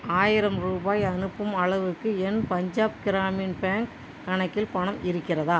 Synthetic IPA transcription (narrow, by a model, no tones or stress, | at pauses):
aːjɪɾɐmɾuːbaːjɐnɯpːɯmɐɭɐʋɯkːɯɛnpɐɲd͡ʒaːpɡɪɾaːmiːnpaːŋkː | ɐɳɐkːɪlpɐɳɐmɪɾɯkːɪrɐðaː